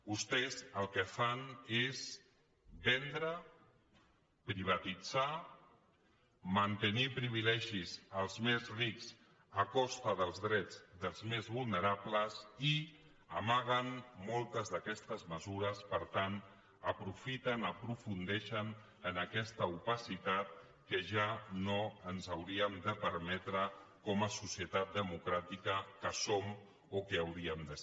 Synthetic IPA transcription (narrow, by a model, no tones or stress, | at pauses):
ust̪ɛzəlˠkəfanes | bɛnd̪ɾə | pɾiβ̞at̪id͡za | mənt̪ənipɾiβ̞ilɛʒizəlˠzmezrikz | əkɔst̪əðəlˠzðɾɛd͡zdəlˠzmezβulˠnəɾapləzi | əmaɣənmɔlˠt̪əzðəkɛst̪əzməzuɾəspəɾt̪an | əpɾufit̪ənəpɾufund̪ɛʃən | ənəkɛst̪əupəsit̪at̪̚ | kəʒanoənzəwɾiəmd̪əpəɾmɛt̪ɾəkɔməsusiət̪at̪̚d̪əmukɾat̪ikəkəsom | okəawɾiəmd̪ə